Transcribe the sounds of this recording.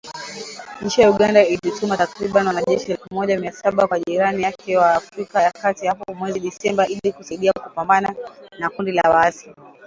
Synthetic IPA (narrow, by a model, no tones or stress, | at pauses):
ɲ̩t͡ʃijauɠandailitumatakɾiɓaniwanaʄɛʃiɛlɛfumɔʄamiasaɓakwaʄiɾanijakʰɛwaːfɾikajakatihapɔmwɛziɗisɛmbaʔilikusaiɗiakupambananakundilawaasi